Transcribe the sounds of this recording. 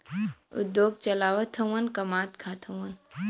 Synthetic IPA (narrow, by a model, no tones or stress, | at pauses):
ṵd̪joːɡ̚t͡ʃɐlaːwɐt̪ʰɐwɐnkɐmaːt̪kʰat̪ʰɐwɐn